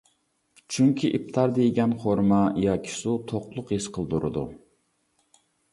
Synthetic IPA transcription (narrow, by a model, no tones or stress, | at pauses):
t͡ʃʰyŋkʲʰiʔip̚t̪ʰɑɾd̪ejɡʲɛnχoɾmɑijɑkʲʰi̥sut̪ʰoχlˠʊqisqʰəlˠd̪uɾɨ̰d̪ṵ